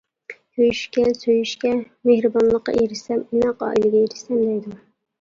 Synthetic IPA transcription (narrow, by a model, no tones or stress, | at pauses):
køjyʃkʲɛsøjyʃkʲɛ | mehɾɨbɑnlˠəqːɑ̰jeɾɪsɛmunɛqɑ̰ːʔilɪɡʲɛjeɾɪsɛmd̪ɛjd̪u